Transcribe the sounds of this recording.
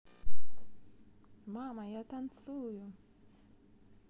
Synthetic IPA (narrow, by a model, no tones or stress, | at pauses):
mamajat̪ansuju